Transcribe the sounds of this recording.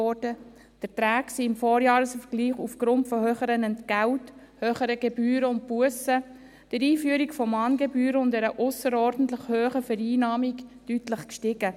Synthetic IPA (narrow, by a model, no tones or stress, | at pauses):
ɔɾd̥ə | d̥əɾtɾæːksiɪmfɔːɾjɑːɾəsfəɾɡ̥liːχufɡ̥ɾʊntfɔhøːχəɾənɛntɡ̥ælt | høːχəɾəɡebyːɾəʊnt̚puəsə | d̥əɾiːfyəɾikfɔmɑːnɡebyːɾəʊndɛɾəʔʊsəɾɔːɾd̥ən̩t̪ləχhøːχəfɛɾiːnɑːmiktytləχkʃtɪɡə